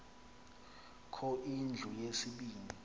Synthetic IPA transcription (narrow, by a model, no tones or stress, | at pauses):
kʰɔʔind͡ɮʱujesiɓiːni